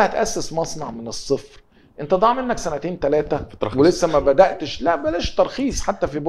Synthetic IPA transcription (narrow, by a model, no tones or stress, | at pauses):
hæt̪ʔæsːesmɑsˤnɑʕmenesˤːefɾ | ʔent̪æd̪ˤɑːʕmenːæksænæt̪eːnt̪ælæːt̪æwelesːæmæbæd̪æʔt̪eʃlæʔbælæʃt̪ɑɾˤxiːsˤħat̪ːæfibo